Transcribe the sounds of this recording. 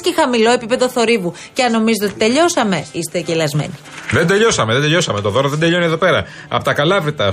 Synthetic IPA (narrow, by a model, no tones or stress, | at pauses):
scexɐmilo̞e̞pipe̞ðo̞θo̞ɾivu | ceɐnːo̞mizet̪eot̪i̥t̪e̞ʎo̞sɐme̞ist̪eceilɐzme̞̰ni | ðe̞nd̪e̞ʎo̞sɐme̞ðend̪eʎo̞sɐme̞t̪oðo̞ɾɐðend̪e̞ʎo̞nieðo̞pe̞ɾɐ | ɐ̰pot̪ɐkɐlɐvɾit̪ɐ